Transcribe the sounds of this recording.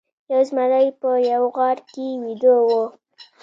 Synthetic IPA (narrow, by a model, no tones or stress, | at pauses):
jawzmalajpəjawɣɑɽkemid̪əwo